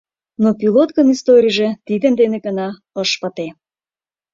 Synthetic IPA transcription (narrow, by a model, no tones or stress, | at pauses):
nopilot̪kəmist̪oɾʲijʒe̽t̪id̪ə̆nd̪enĕɣə̆nɑ | əʃpə̆t̪e